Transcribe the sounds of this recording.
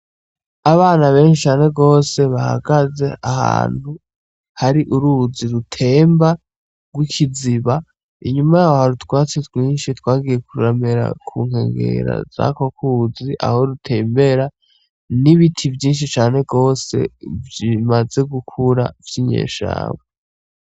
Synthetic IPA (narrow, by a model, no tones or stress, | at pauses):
aβaːnaβe̞ːnʃit͡ʃaːne̞ɡo̞ːse̞βaha̰ɡaze̞aha̰ːn̥hu | haɾiʔuɾuziɾutʰe̞ːmba | ɡwikʰiziβa | iɲumajaːhohaɾutkwaːt͡setwiːnʃitwaːɡije̞kuɾameɾa̰kʰuːŋ̥e̞̰ːŋɡe̞̰ɾa̰za̰kokuːziʔa̰ho̞ɾutʰe̞mbe̞ɾa | niβitʰivjiːnʃ̬it͡ʃaːne̞ɡo̞ːse̞̰vjimaze̞ɡukʰuɾavjiɲḛːʃa̰ːβe